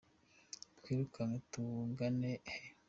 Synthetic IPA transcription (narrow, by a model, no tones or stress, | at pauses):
tkwiːɾukaŋetuŋɡanehe